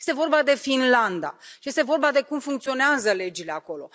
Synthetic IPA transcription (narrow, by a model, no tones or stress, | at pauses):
est̪e̞vo̞rbad̪e̞finland̪a̰ʃijest̪e̞vo̞rbad̪e̞kumfuŋkt̪sio̞neazəle̞d͡ʒile̞ako̞lo̞̰